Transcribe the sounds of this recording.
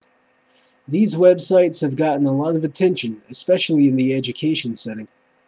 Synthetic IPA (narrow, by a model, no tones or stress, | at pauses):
ðizwɛbsaɪtshəvɡɑʔn̩əlˠɔɾəvətʰɛ̃nʃə̃nɪspɛʃl̩ˠiɨ̃nðiɛd͡ʒɨkʰeʃə̃nsɛɾɪ̃ŋ